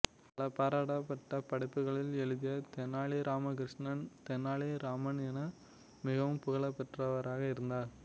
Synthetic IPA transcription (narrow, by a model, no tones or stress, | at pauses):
pɐlɐpaːɾaːɽɐpːɐʈːɐpɐɽɐɪpːɯɣɐɭɪlɛɻɯðɪjɐt̪ɛnːaːɭiɾʔaːmɐk̬ɪɾɪʂnɐnt̪ɛnːaːɭiɾaːmɐnɛnɐ | mɪɣɐʋɯmpʊɣɐɭɐpːɛʈrɐʋɐɾaːɣɐɪɾɯnd̪aːɾ